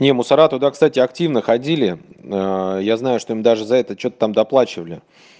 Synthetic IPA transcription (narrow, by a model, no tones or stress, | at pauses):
nʲemʊsɐɾat̪ʊd̪akst̪atʲɪɐk̚tʲivnəxɐdʲilʲɪəjaznajʊʂt̪o̞imd̪aʐɨzɐɛt̪ət͡ɕo̞t̪ə̥t̪amd̪ɐplˠat͡ɕɪvəlʲɪ